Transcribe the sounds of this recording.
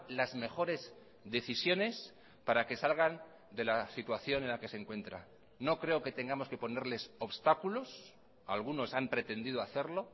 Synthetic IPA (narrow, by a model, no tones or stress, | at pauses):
lazme̞χo̞ɾe̞z | ðe̞θisjo̞ne̞s | paɾake̞salɣan | d̪e̞lasit̪waθjo̞ne̞nlake̞se̞ŋkwe̞nt̪ɾa̰ | no̞kɾe̞o̞ke̞t̪e̞ŋɡamo̞ske̞po̞ne̞ɾle̞so̞βst̪akulo̞s | alɣ̞uno̞sampɾe̞t̪e̞nd̪iðoaθe̞ɾlo̞